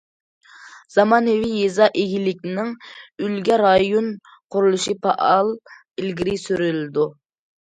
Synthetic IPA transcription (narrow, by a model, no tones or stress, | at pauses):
z̥ɑmɑːnɨvijezɑʔeɡʲilɪk̚ʲnɪŋylɡʲɛɾɑjon | qʰʊɾulˠuʃipʰɑʔɑlˠ | ilɡʲiɾɪsyɾylɪd̪u